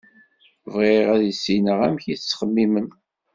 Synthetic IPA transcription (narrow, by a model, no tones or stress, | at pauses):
vʁeʁæðəsːinəʁæmçiθt͡sːχəmːimən